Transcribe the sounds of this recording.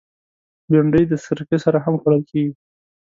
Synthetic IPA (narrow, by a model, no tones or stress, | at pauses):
laɳɖəjd̪əsɪɾqesaɾaɦamxaɽəlkeɡi